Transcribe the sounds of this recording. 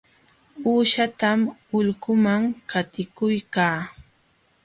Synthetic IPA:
uːʃat̪amʊʎkʊmaŋkat̪ɪkʊjkaː

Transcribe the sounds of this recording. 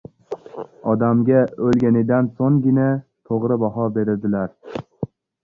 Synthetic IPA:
ɒd̪amɡʲaɵlɡʲanɪd̪ansoŋɡʲɪnat̪ʰoʁɾɪbaɦɒbe̞ɾɪd̪ɪlaɾ

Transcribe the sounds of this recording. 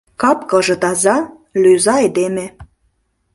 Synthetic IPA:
kɑpkɤ̆ʒɤ̆t̪ɑzɑ | lyzɑed̪eme

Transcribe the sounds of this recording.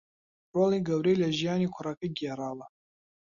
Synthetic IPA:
raliɡawɾelaʒijanikʷʰaɾakʼɨɡʲiaɾala

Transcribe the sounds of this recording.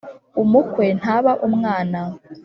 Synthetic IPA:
umukwe̞n̥haːβaʔumŋaːna

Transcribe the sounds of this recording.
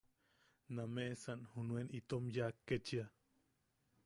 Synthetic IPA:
nameʔsanhunuenit̪omjakːet͡ʃia

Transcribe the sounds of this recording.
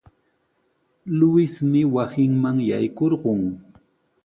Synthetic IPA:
lʊɪsmɪwasɪŋmaŋja̰jkoɾɢʊŋ

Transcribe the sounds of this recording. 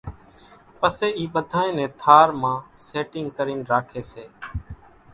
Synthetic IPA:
pəseːiːɓəd̪ʱaːẽːnɛ̃ːt̪ʰaːɾmãːseːʈɪŋɡkəɾiːnɾaːkʰeːseː

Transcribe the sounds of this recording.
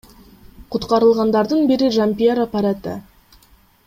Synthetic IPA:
qʰʊt̪qɑɾəlˠʁɑnd̪ɑɾd̪ənbɪɾɪʒampʲijoɾapːaɾat̪ə̰

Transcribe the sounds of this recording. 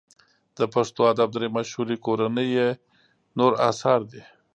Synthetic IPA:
d̪̥əpaʂt̪oad̪ab̚d̪ɾemaʃhuɾikoɾanəje | noɾɑ̰sɑɾd̪i

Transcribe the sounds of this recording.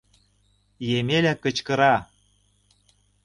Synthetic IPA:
jemelʲækə̆t͡ɕkɤ̆ɾɑ

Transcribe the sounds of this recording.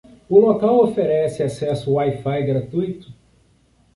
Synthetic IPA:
ʊlokawofeɾɛsɪasɛsʊwajfajɡɾat̪ujt̪ʊ̥

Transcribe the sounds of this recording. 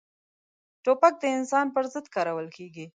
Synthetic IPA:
ʈopak̚d̪əɪnsɑnpəɾzɪd̪kɑɾawəlkʰeɡi

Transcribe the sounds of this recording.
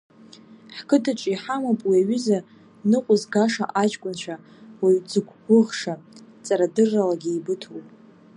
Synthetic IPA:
ħkʰɨdat͡ʃʷʼiħamapʼwiaɥiza | nɨqʷʼʊzɡaʂa̰ʔad͡ʒkʷʼʊnʃʷʰᶣa | waɥd͡zɨɡʷʰɡʷʊʁʂat͡sʼaɾadɨrːalaɡʲiːbɨtʰuwp

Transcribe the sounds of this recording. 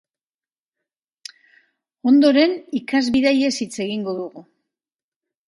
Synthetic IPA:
o̞nd̪o̞ɾe̞nikazβiðaje̞sit͡se̞ɣiŋɡo̞ðuɣu

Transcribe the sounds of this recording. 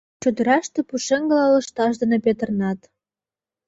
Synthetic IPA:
t͡ɕod̪ə̆ɾɑʃt̪ĕpuʃĕŋɡɤ̆lɑlə̆ʃt̪ɑʃd̪ɤ̆nepet̪ə̆rnɑt̪

